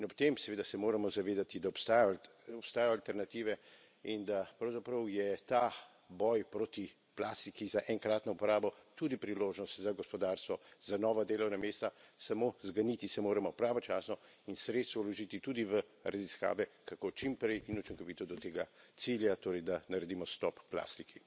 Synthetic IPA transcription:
inɔpt̪emsɛʋeːd̪asɛmoːɾamɔzaʋeːd̪at̪id̪aɔpst̪aːjɔ | ɔpst̪aːjɔalt̪ɛɾnat̪iːʋɛ | ind̪apɾɐwzapɾəwjɛt̪a | bɔjpɾot̪i | plaːst̪ikizaʔɛŋkɾaːt̪nɔupɔɾaːbɔt̪ud̪ipɾiloːʒnɔst̪zaɡɔspɔd̪aːɾst̪ʋɔzanɔːʋad̪eːlɔwnameːst̪asamozɡaniːt̪isɛmoːɾɛmɔpɾaːʋɔt͡ʃaːsnɔ | insɾet̪st̪ʋɔulɔʒiːt̪it̪ud̪iʋəɾʔaziska̰ːʋɛkakot͡ʃimpɾɛjʔinut͡ʃiŋkɔʋiːt̪ɔd̪ɔt̪eːɡat̪siljat̪oːɾɛjd̪anaɾɛd̪imɔst̪ɔpːla̰ːst̪ikʰi

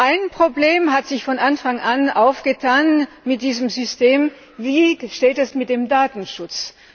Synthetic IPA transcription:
ʔaɪnpʁ̥obleːmɦatz̥ɪçfɔnʔanfaŋʔanʔaʊfɡ̥ətʰaːn | mɪt̚d̥iːzəmzʏsteːm | viːʃteːtɛsmɪt̚d̥eːmdaːtn̩ʃʊt͡s

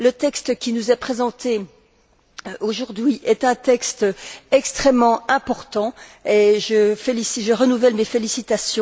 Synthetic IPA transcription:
lət̪ɛkst̪əkʲinuzɛpχezɑ̃t̪e | ʔoʒuʁd̪ɥiʔɛt̪ɛ̃t̪ɛkst̪ɛkst̪χɛmːɑ̃ɛ̃pɔʁt̪ɑ̃eʒəfelisiʒəʁənuvɛlmefelisit̪asjɔ̃

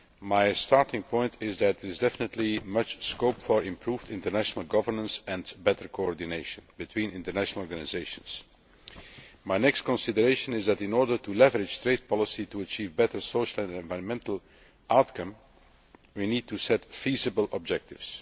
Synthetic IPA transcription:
maɪstɑɹtɪ̃ŋpʰɔ̃ɪ̃ntʰɪzðæt̚d̪əɹɪzdɛfɪnətʰˡlimʌt͡ʃskoʊpfəɹɪ̃mpʰɹuːvdɪ̃ntəɹnæʃnəl̩ˠɡʌvəɹnə̃nsɛ̃nbɛtəɹkʰoɔɹdineɪʃə̃nbɨtʰw̥ĩːnɪ̃ntəɹnæʃnl̩ˠɔɹɡanɪzeɪʃə̃ns | maɪnɛkst̚kɔ̃nsɪdəɹeɪʃə̃nɪzðætɪ̃nɔːɹdə˞tʰulɛvəɹɪd͡ʒ̥tɹeɪd̚pʰɑlˠɪsituət͡ʃiːvbɛtə˞soʊʃəl̩ˠɛ̃nɛ̃nvaɪɹə̃nmɛ̃ntəl̩ˠ | ʔaʊtkʰʌ̃m | winiːd̚tusɛtfizəbəlˠɔb̚d͡ʒɛk̚tɪvs

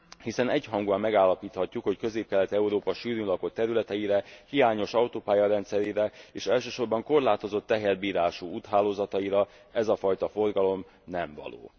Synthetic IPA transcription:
hisɛnɛɟhɒŋɡuɒmːɛɡaːlːɒpiːt̪hɒcːukho̞ckø̞zeːp̚kɛlɛt̪ɛuɾoːpɒʃyːɾylɒko̞t̪ːɛɾylɛt̪ɛjiɾɛhijaːɲo̞ʃɒwt̪oːpaːjɒɾɛnt̪sɛɾiːɾɛeːʃɛlʃøːʃo̞rbɒŋko̞rlaːt̪o̞zo̞t̪ːɛɦɛrbiːɾaːʃuuːt̪ɦaːloːzɒt̪ɒiɾɒ | ɛzɒfɒjt̪ɒfo̞rɡɒlo̞m | nɛɱvɒ̰lo̰ː

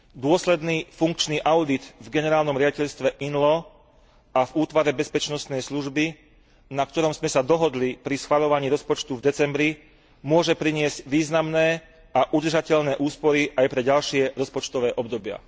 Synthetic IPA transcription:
d̪ʊɔslɛd̪niːfuŋkt͡ʃniːʔaʊd̪id̪vɡɛnɛɾaːlnɔmɾɪaɟicɛʎst̪ʋɛʔinlɔ | avuːt̪ʋaɾɛbɛspɛt͡ʃnɔst̪nɛjsluʒbi | nak̚t̪ɔɾɔmzmɛsad̪ɔɦɔd̪lipɾisxʋaʎɔʋaɲiːɾɔspɔt͡ʃt̪uvd̪ɛt͡sɛmbɾi | mʊɔʒɛpɾiɲɪɛzɟʋiːznamnɛː | aʔud̪r̩ʒacɛʎnɛːʔuːspɔɾiʔajpɾɛɟalʃɪɛɾɔspɔt͡ʃt̪ɔʋɛːʔɔbd̪ɔbɪa̰

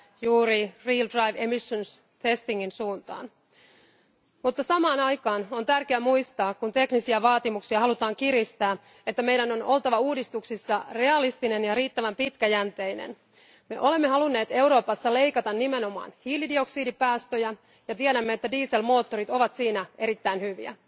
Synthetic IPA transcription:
juːɾiriːldrɑjʋemisːons | t̪e̞st̪iŋːinsuːnt̪ɑ̰ːn | mut̪ːɑsɑmɑːnɑjkɑːno̞nt̪ærkeæmujst̪ɑːkkunt̪e̞knisiæʋɑːt̪imuksiɑhɑlut̪ɑːŋkiɾist̪æː | et̪ːæme̞jdæno̞nʔo̞lt̪ɑʋɑuːdist̪uksisːɑre̞ɑlist̪ine̞njɑɾiːt̪ːæʋæmpit̪kæjænt̪e̞jnḛn | me̞̰ʔo̞le̞mːe̞hɑlunːe̞ːt̪e̞wɾo̞ːpɑsːɑle̞jkɑt̪ɑnːime̞no̞mɑ̰ːnhiːlidio̞ksiːdipæːst̪øjæ | jɑt̪iedæmːeet̪ːædiːse̞lmo̞ːt̪ːo̞ɾit̪o̞ʋɑt̪siːnæʔe̞ɾit̪ːæinhyʋḭæ̰

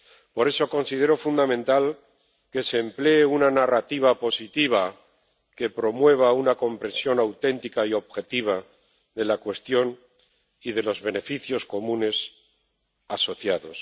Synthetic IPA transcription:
po̞ɾe̞so̞ko̞nsiðe̞ɾo̞fund̪amẽ̞nt̪al | ke̞seːmple̞ːunanarat̪iβ̞apo̞sit̪iβ̞a | ke̞pɾo̞mwe̞β̞aunako̞mpɾe̞nsjo̞nawt̪e̞nt̪ikaio̞βxe̞t̪iβ̞a | ðe̞lakwe̞st̪jo̞n | iðe̞lo̞zβe̞ne̞fiθjo̞sko̞mũne̞s | aso̞θjaðo̞s

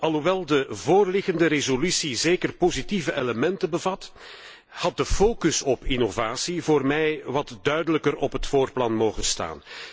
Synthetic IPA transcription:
ʔɑlˠɦuʋɛlˠdəvoːrlɪɣəndəɾezolysizeːkərpozitivəʔeləmɛntəbəvɑt | hɑt̚dəfoːkɵsɔpɪnovaːsivoːrmɛjʋɑtdœɥdələkəɾɔpɦətfoːrplɑnmoːɣənsta̰ːn

